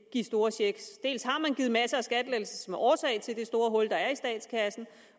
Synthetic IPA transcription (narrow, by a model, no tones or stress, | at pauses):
ɡ̥isd̥o̝ːɐɕeɡ̥sd̥e̝̰ːlshɑ̈mænɡ̥iːð̩ˠmæsəæsɡ̥æd̥leːl̩səsmeʔɒːsɛ̰ɪt͡sʰe̝ld̥e̝sd̥o̝ːɐɦɔ̽l̰d̥ɑ̈æɐisd̥ɛ̰ːd̥skʰæsn̩